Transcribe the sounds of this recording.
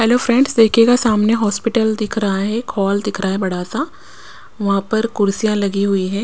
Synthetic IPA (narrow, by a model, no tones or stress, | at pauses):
hɛloːfɾɛ̃ɳɖsd̪eːkʰeɡasaːmneɦɔːspɪʈəld̪ɪkʰɾɐɦaɦɛkʰɔːld̪ɪkʰɾaaɦɛbɐɽ̤aːsa | ʋɐɦãpɐɾkʊɾsijãlɐɡiɦʊiɦɛ̃ː